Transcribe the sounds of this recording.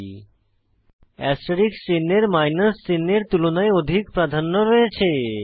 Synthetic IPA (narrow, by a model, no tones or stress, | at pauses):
ɛsʈoɾiksinːeɾmajnəsːinːeɾt̪ulonaeod̪ʱikpɾad̪ʱanːoɾoet͡ɕʰe